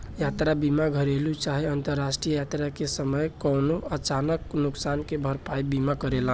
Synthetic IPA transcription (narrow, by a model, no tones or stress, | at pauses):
jat̪ɾabimaɡʱəɾelut͡ʃaɦiənt̪əɾːasʈɾijəjat̪ɾakesəməjkɔnoət͡ʃanəknuksankebʱəɾpaibimakəɾelã